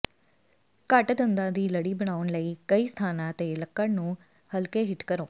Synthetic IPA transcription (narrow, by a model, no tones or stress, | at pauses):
kəʈd̪ənd̪ãːd̪iːləɽiːbəɽ̃aːʊnləiːkəiːst̪ʰaːnãːt̪eːləkːənnũː | həlkeːɦɪʈkəɾoː